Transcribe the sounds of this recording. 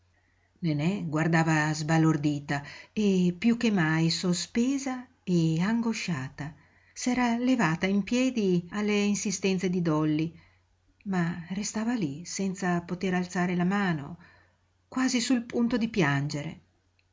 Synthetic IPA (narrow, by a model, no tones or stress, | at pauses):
nenɛɡward̪aːvazbalord̪iːt̪aepːjuk̟ːemajsospeːza | eaŋɡoʃaːt̪a | sɛːɾalevaːt̪aimpjɛːd̪ialːeinsist̪ɛnt̪sed̪id̪ɔlːi | marest̪aːvalisɛnt̪sapot̪eɾalt̪saːɾelamaːno̰ | kwaːzisulpunt̪od̪ipjand͡ʒeɾḛ